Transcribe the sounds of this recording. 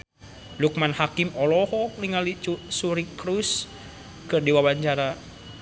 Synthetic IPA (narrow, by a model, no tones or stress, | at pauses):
luk̚manhakimɔlɔhɔniŋalisuɾikɾus | kɨrdiwabaɲt͡ʃaɾa